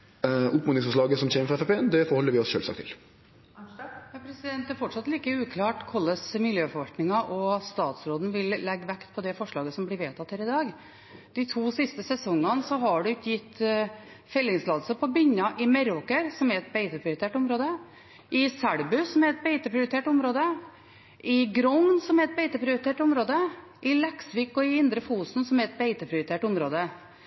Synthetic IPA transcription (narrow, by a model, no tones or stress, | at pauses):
ʔʊpmʊːɪŋsfɔʂ̬ɭɑːɡəsɔmçeːməfɾɑɛfɛpʰeːnd̪ɛfɔɾhɔlːəɾʋɪɔsʃø̰ːlsɑ̰kt̪ʰɪ̰l | jɑpʰɾɛsɪd̪ɛnt̪d̪æɾfɔʈʂɑt̪liːkəʉːkʰlɑːʈkʰɔlːəsmɪljøːfɔɾʋɑlt̪nɪŋɑʔɔst̪ɑːt̪sɾoːd̪n̩ʋɪlːɛɡːʋækt̪pʰɔd̪ɛfɔʂɭɑːɡəsɔmblɪɾʋeːt̪ʰɑt̪ːhæːɾɪd̪ɑːɡ | d̪̥ɪt̪ʰuːsɪst̪əsɛsɔŋːɑnsɔɦɑɖʉɪkːəjɪt̪ː | fɛlːɪŋslɑːd̪səpʰɔbʏɲːɑʔɪmɛɾoːkəɾsɔmɛɾɛt̪̚bɛɪt̪əpʰɾɪʊɾɪt̪ʰeːʈʊmɾoːd̪ə | ʔɪsæɽbʉsɔmɛɾɛt̪̚beɪt̪əpʰɾɪʊɾɪt̪ʰeːʈʊmɾoːd̪ə | ʔɪɡɾɔŋnsɔmɛɾɛt̪̚beɪt̪əpʰɾɪʊɾt̪ʰeːʈʊmɾoːd̪ə | ʔɪlɛksʋɪkːɔɪɪnd̪ɾəfuːsn̩sɔmæɾɛt̪̚beɪt̪əpʰɾɪʊɾɪt̪ʰeːʈʊmɾoːd̪ə